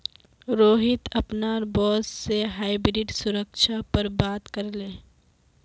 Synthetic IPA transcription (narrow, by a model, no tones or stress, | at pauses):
ɾoːɦɪt̪ɐpnaːɾbɔːsseɦaːɪbɾɪɖsʊɾəkʃapəɾbaːt̪kɐɾlẽː